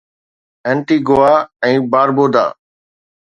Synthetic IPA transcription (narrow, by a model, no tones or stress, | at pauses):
ɛ̃ːɳʈiːɡoːaːɛ̃ːbaːɾboːd̪a̰ː